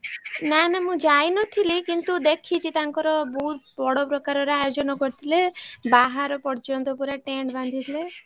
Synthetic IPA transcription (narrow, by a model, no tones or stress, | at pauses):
nanamũd͡ʒajnɔt̪ʰilikint̪ud̪ekʰit͡ʃʰit̪aŋkɔɾɔbɔɦut̪̚bɔɽɔpɾɔkaɾɔɾeajod͡ʒɔnɔkɔɾt̪ʰilebaɦaɾɔpɔɾt͡ʃɔnt̪ɔpuɾaʈeɳɖband̪ʱit̪ʰile